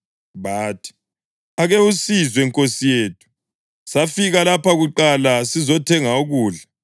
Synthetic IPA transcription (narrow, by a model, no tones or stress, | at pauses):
βaːtʰi̥ | aɣeusizwɛŋkʼosijeːtʰu̥ | safiɣalapaɣuǃalasizɔtʰɛŋauɣuːɮa